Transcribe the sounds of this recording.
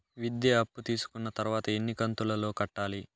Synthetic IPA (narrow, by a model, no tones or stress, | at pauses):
ʋid̪ːeɐpːut̪iːsu̥kunːɐt̪ɐɾuʋaːt̪ɐenːikɐnt̪ulɐlo̞ːkɐʈːaːli